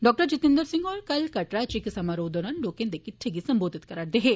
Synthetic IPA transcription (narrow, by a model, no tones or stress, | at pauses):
ɖɔːk̚ʈəɾd͡ʒit̪ind̪əɾsĩŋɡɔːɾkɐlkɐʈɾat͡ʃiksɐmaɾoːd̪ɔnɐnɖoːkẽnd̪ekiʈʈʰeɡisɐmboːd̪ʱit̪kɐɾaʈ̚d̪eɦe